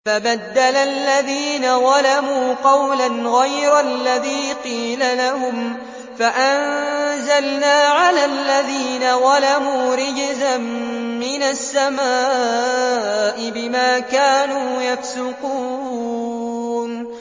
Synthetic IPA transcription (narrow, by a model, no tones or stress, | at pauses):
fabad̪ːalalːaðiːnaðɑlamuːqɑwlanɣajɾalːaðiːqiːlalahʊm | faʔanzalnaːʕalalːaðiːnawɑlamuːɾɪd͡ʒzamːɪnasːamaː | ʔɪbɪmaːkaːnuːjafsʊquː | n